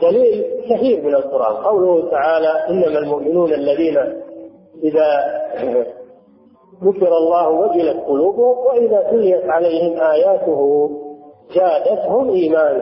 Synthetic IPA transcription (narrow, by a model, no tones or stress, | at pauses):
d̪aliːlkahiːɾmɪnalqʊɾʔa̰ːnqɑwlʊht̪aʕaːlaʔɪnːamalmʊʔmɪnuːnʔalːaðiːna | ʔɪða | ðʊkɪɾˤɑlˤːɑːhwad͡ʒɪlat̪qʊluːbhʊmwaʔɪðaːsʊlːɪjat̪ʕalajhɪmʔaːjaːt̪ʊɦʊ | d͡ʒaːd̪at̪hʊmʔiːmaːn